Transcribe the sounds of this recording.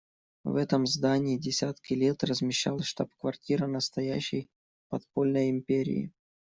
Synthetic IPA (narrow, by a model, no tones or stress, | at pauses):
vɛt̪əmzd̪anʲɪɪdʲɪsʲat̪kʲɪlʲet̪rəzmʲɪɕːa̰lˠʂt̪apkvɐrtʲiɾɨnəst̪ɐjæɕːɪj | pɐt̪polʲnəjɪmʲpʲeɾʲɪ̰ɪ̰